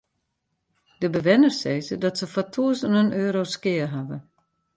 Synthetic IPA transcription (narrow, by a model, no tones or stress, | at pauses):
d̥əbəʋɪnərseːzədɔtsəfɔtʰuəsənənøːɾoskɪərɦavə